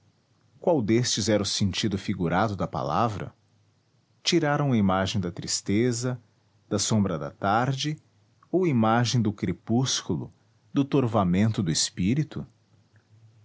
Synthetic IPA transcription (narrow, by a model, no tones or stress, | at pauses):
kwawd̪est͡ʃɪzɛɾɐʊsẽnt͡ʃid̪ʊfiɡuɾad̪ʊd̪ɐpa̰la̰vɾɐ̰ | t͡ʃiɾaɾɐ̃w̃ɐimaʒẽj̃d̪ɐt̪ɾist̪ezɐ | d̪̥ɐsõmbɾɐd̪ɐ̰t̪aɾd͡ʒɪ | owimaʒẽj̃d̪ʊkɾepuskulʊ̰ | d̪ʊt̪oɾvamẽnt̪ʊd̪ʊɪspiɾit̪ʊ